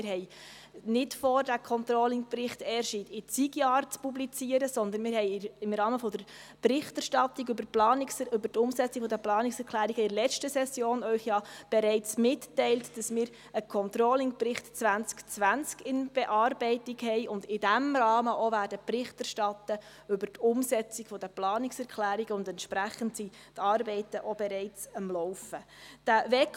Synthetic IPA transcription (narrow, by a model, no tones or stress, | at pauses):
ɪɦɛɪ | nɪtfɔːrdækʰɔntɾolɪŋprɪχtɛːəɾʃiːtɪt͡siɡjɑːɾt͡spublit͡siəɾəsɔnd̪ənmɪːɾhɛɪɪmɾɑːməfɔd̪əɾprɪχtɛɾʃtɑt̪iɡybəplɑːnɪsybətʊmsɛt͡sikfɔdəplɑːnɪksɛɾkʰlæːɾiɡəɪɾlɛt͡ʃtəsɛsjoːnœʏχjɑːb̥ɛɾɛɪt͡smɪtːɛɪltd̥ɑsmɪːɾ | əkʰɔnt̪ɾɔːlɪŋprɪχtt͡sʋænt͡skt͡sʋænt͡skɪnb̥ɛʔɑːrbɛɪtɪkhɛɪʔʊndɪdæmrɑːməʔovæːɾdəprɪχtɛrʃtɑt̪ə | ʏbəɾtʰʊmsɛt͡siɡfɔd̪əplɑːnɪksɛɾkʰlæːɾiɡəʊndɛntʃpɾæχəntsi | tɑːɾbɛɪtəʔɔb̥ɛɾɛɪt͡səmlɔwfəd̥ævɛk